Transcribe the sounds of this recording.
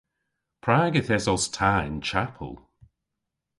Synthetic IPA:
pʰɹaːɡəθɛsɔstʰaːɪnt͡ʃʰapʰə̰lˠ

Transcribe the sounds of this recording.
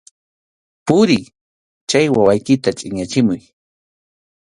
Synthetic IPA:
pʊɾɪ | t͡ʃt͡ʃajwawajkɪt̪at͡ʃʼɪɲat͡ʃɪmʊj

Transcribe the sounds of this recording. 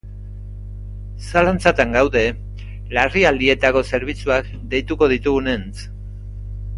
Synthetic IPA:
salant͡sat̪aŋɡawðe̞ | lariald̪ie̞t̪ako̞se̞ɾβ̞it͡suak | d̪e̞jt̪uko̞ð̞it̪uɣune̞nt͡s

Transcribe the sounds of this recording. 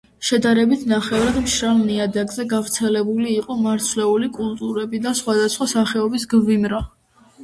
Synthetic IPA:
ʃɛd̪aɾɛbit̪ʰnaχɛvɾad̪mʃɾalniad̪aɡzɛɡavɾt̪sʰɛlɛbuliːqʼɔmaɾt̪sʰlɛulikʼult̪ʼuɾɛbid̪asχwad̪asχwasaχɛɔbis̬ɡvimɾa

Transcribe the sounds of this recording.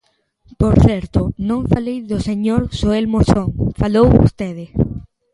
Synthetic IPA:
poɾθɛɾt̪ʊnõŋfalejðʊseɲoɾsoelmosoŋfalowo̰st̪eðɪ

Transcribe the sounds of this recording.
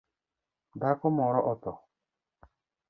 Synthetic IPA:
dakɔmɔɾɔʔɔt̪ɔ

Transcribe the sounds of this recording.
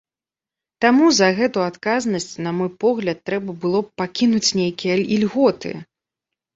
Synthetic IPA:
t̪amuzɐɣɛt̪uat̪kaznɐsʲt͡sʲnɐmɔjpɔɣlʲɐt̪ːɾɛbɐbɨlˠɔpakʲinut͡sʲnʲejkʲijɐilʲɣɔt̪ɨ̰

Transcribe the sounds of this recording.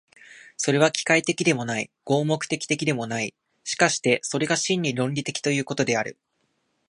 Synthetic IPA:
so̞ɾe̞β̞akʲi̥kait̪e̞kʲid̪e̞mo̞naiɡ̥o̞ːmo̞kɯ̟̥t̪e̞kʲi̥t̪e̞kʲid̪e̞mo̞nai | ɕi̥kaɕi̥t̪e̞so̞ɾe̞ɡaɕĩɲ̟ːiɾõ̞ɲʲɾʲit̪e̞̥kʲi̥t̪o̞jɯ̟ːko̞t̪o̞d̪e̞aɾɯ̟̰

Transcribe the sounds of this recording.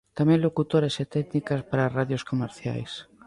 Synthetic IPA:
t̪amɛ̃ŋlokut̪oɾeset̪ɛknikaspaɾaraðjoskomeɾθja̰js

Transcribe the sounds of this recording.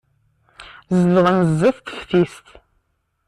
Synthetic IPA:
zələʁənzːiθt̪ə̥çθist̪

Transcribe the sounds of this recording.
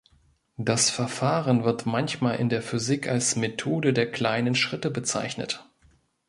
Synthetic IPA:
d̥asfɛɐfaːʁənvɪɐtmançmaːlʔɪ̰ndeːɐfyzɪkalsmetʰoːdədeːɐkl̥aɪnənʃʁ̥ɪtəbət͡sa̰ɪçnə̰t

